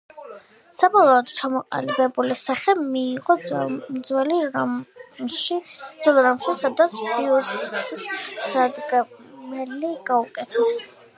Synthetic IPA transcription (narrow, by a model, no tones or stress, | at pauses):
sabɔlˠɔɔd̪t͡ʃʰamɔqʼa̰libɛbulisaχɛmiːʁɔmd̪zwɛliɾa | ʃid̪z̥ɔlˠɾamʃisad̪at̪sʰbiɔst̪ʰisad̪ɡɛmɛliɡaukʼɛt̪ʰɛs